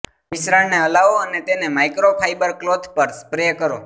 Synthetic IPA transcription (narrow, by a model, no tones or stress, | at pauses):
ʋɪsɾaɽneəlaʋoənet̪enemajkɾopʰajbəɾklod̪ʱpəɾspɾejəkəɾo